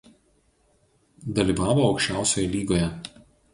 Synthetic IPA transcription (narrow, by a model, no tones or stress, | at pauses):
d̪ɐlʲiːˑʋɑːʋoːɒʊkʃʲt͡ʃʲæˑʊsʲoːjɛlʲiːɡoːjɛ